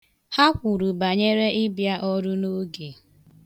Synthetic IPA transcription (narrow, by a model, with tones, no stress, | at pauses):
ha˦kʷu˨ɾu˨ba˨ɲe˦ɾe˦ɪ˦bja˦ʔɔ˦ɾu˦no˦ɡe˨